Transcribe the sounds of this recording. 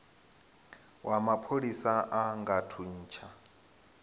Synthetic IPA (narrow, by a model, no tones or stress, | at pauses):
wʔamapʰoɺisaʔaŋɡatʰun̩ːt͡ʃʰa